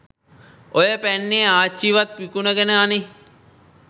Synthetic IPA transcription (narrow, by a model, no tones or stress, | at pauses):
ojəpænːeːaːt͡ʃːiʋat̪̚ʋikunəɡenəani